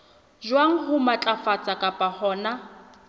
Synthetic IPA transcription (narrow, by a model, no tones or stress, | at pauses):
ʒwaŋ̩ɦʊmat͡ɬʼafat͡sʼakʼapʼahɔːna